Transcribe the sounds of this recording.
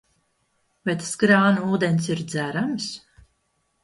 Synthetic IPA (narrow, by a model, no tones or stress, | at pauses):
vajt̪ḁsɡɾaːnuuːd̪enʲsiɾd̪zæɾams